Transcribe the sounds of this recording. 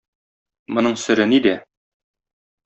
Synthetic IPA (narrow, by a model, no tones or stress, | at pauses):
mŏnɤɴsɵ̆ɾɘnid̪æ